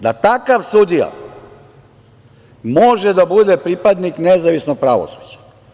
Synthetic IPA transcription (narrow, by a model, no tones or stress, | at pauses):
d̪at̪akaʋsud̪ija̰ | mo̞ʒed̪abud̪epɾipad̪niknezaʋisnoɡ̚pɾaʋo̰su̥ːd͡ʑḁ